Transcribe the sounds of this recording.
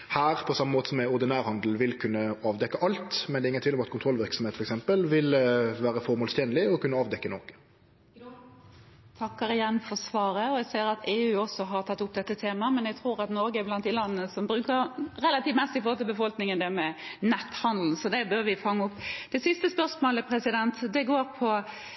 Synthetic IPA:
hæːɾpʰɔsɑmːəmoːt̪əsɔmːɛʊɾd̪ɪnæːɾhɑnd̪l̩ʋɪlkʰʉnːəɑːʋd̪ɛkːəʔɑlt̪mɛnd̪ɛɪŋənʋɪlɔmɑt̪̚kʰʊnʰɾɔlʋɪɾksɔmheːt̪fɔɾɛksɛmpəlʋɪlʋæːɾəfɔɾmoːlst̪ɛːnlɪɔkʰʉnːəɑːʋd̪ɛkːənɔkə̥ | t̪ʰɑkːəɾɪjɛnfɔsʋɑːɾəɔɛɡseːɾɑt̪ʰeːʉːɔsɔɦɑɾt̪ʰɑt̪ːʊpːd̪ɛt̪ːət̪ʰeːmɑmɛnjɛɡt̪ʰɾuːɾɑt̪nɔɾɡəblɑnd̪ɪlɑnːnəsɔmbɾʉːkəɾɾɛlɑt̪iːʋmɛst̪ɪfoːlɪlbəfɔlknɪŋənd̪ɛmɛnɛt̪hɑnd̪l̩n̩sɔd̪ɛbøɾʋɪfɑŋːəʊpːd̪̥ɛsɪst̪əspœʁʂmoːləpʰɾɛsɪd̪ɛnt̪d̪ɛɡoːɾpʰɔ

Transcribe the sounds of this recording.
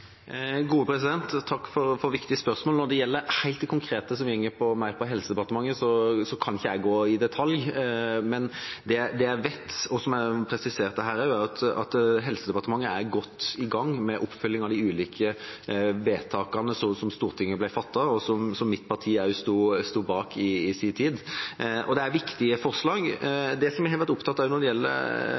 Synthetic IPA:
ɡuːəpʰɾɛsɪd̪ɛnt̪ʰːɑkːfɔɾfɔɾʋɪkt̪ɪəspœɾsmoːlənɔd̪ɛjɛlːəɾhæɪt̪d̪ɛkʰʊŋkʰɾeːt̪əs̬ɔmjɛŋːəɾpʰɔmæɪɾpʰɔɦɛlsəd̪ɛpɑɾt̪əmɑŋːəsɔsɔkʰɑnɪçːəæɪɡoːɪd̪ɛt̪ʰɑljmɛnd̪ɛd̪ɛæɾʋɛt̪ːɔsɔmæɾpʰɾɛsɪseːʁt̪d̪ɛɦæːɾɑæɾɑt̪ɑ̰t̪ɦɛlsəd̪ɛpɑʁt̪əmɑŋːəæɾɡɔt̪ːɪɡɑŋːmɛʔɔpːfœlːɪŋɑʋd̪ɪʉːliːkʰə | ʋeːt̪ʰɑːkɑnəsɔsɔmst̪uːɾt̪ʰɪŋːəblæɪfɑt̪ːɑɔsɔmsɔmːɪt̪pʰɑt̪ʰiːæʉst̪uːst̪uːbɑːkɪːsɪnt̪ʰiːd̪ʔɔ̰d̪ɛæɾʋɪkt̪ɪəfɔʁslɑːɡd̪ɛsɔmæhɛʋæt̪ʊpt̪ɑt̪ɑæjʊnɔd̪ɛjɛlːə̰ɾ

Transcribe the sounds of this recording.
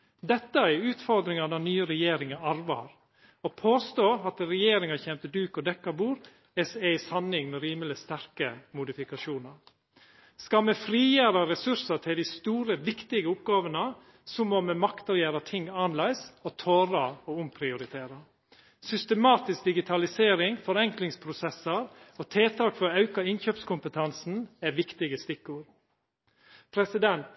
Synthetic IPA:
d̪ɛt̪ːəæɾʉːt̪fɔɾd̪ɾɪŋɑd̪ɑnyːəɾɛjeːɾɪŋəɑɾʋɑ̰ːɾ | ɔpʰoːst̪oːɑt̪ɾɛjeːɾɪŋɑçɛmt̪əd̪ʉːkɔd̪ɛkːɑbuːɾ | ɛsɛɪshɑnɪŋmɛɾiːməlɪst̪æɾkəmʊd̪ɪfɪkɑʃuːnɑɾ | skɑmɛfɾiːjæːɾɑɾɛsʉɾsɑt̪ʰɪld̪ɪst̪uːɾəʋɪkt̪ɪɡəʊpɡɑːʋənə | sɔmomɛmɑkt̪ɑɾjæːɾət̪ʰɪŋːɑːnlæɪsoːt̪ʰoːɾɑoːʊmpʰɾɪʊɾɪt̪ʰeːɾə | sʏst̪əmɑːt̪ɪsk̚d̪ɪɡɪt̪ʰɑlɪseːɾɪŋfɔɾɛŋklɪŋspʰɾʊsɛsəɾoːt̪ʰeːt̪ʰɑːkfɔɾɑʉkɑɪnçøːpskʰʊmpət̪ʰɑnsn̩æʋɪkt̪ɪɡəst̪ɪkːʊɾ | pʰɾɛsɪd̪ɛnt̪

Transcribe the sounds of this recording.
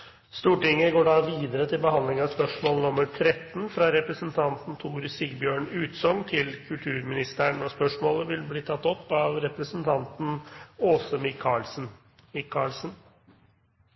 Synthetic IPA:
st̪uːʈɪŋːəɡoːɖɑːʋiːd̪əɾət̪ʰɪlbəhɑnd̪lɪŋɑʋspœʂmoːlnʊmːəɾʈ̪ʰɾɛt̪ːn̩fɾɑɾɛpɾəsənt̪ʰɑnt̪n̩t̪ʰuːɾsɪɡbjøːɳʉːt̪sɔŋt̪ʰɪlkʰʉlt̪ʰʉːɾmɪnɪst̪əɳɔspœʂmoːləʋɪlbliːt̪ʰɑt̪ːɔpːɑʋɾɛpɾəsənt̪ʰɑnt̪n̩oːsəmɪkʰːɑɭsn̩ | mɪkʰːɑɭsn

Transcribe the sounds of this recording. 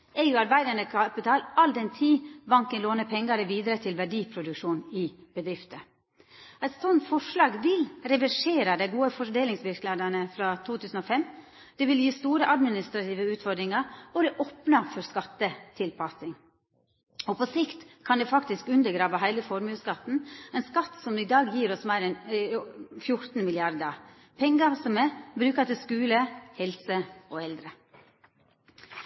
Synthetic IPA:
eʉɑɾbæɪd̪ɑɳəkʰɑpɪt̪ʰɑːlɑld̪ɛnt̪ʰiːbɑŋkənloːnəpʰɛŋːɑɾɛʋiːd̪ɾət̪ʰɪlʋæɖiːpʰɾʊd̪ʉkʂuːnɪb̥əd̪ɾɪft̪ə | æɪt̪sɔnt̪fɔʂlɑːɡʋɪlɾɛʋæʂeːɾɑd̪æɪɡuːəfɔɾɖeːlɪŋsʋɪɾklɑd̪ɑnəfɾɑːt̪ʰuːt̪ʰʉːsn̩ɔːfɛmː | d̪̥ɛʋɪljiːst̪uːɾəʔɑd̪mɪnɪst̪ɾɑt̪ʰiːʋəʉːt̪fɔɖ̪ɾɪŋɑɾɔɛʔoːpnɑfɔɾskɑt̪ːət̪ʰɪlpʰɑsɪŋ | opʰɔsɪkt̪kʰɑnd̪ɛfɑkt̪ɪskʉnd̪əɾɡɾɑːʋəɦæɪləfɔɾmʉːskɑt̪n̩ɛɪnskɑt̪sɔmd̪ɛɪd̪ɑːɡjiːɾɔsmæɪɾɛn | fjʊɾt̪n̩mɪlɪɑɾd̪ə | pʰɛŋɡɑsɔmɛbɾʉːkɑt̪ɪlskʉːləhɛlsəoːɛld̪ɾə

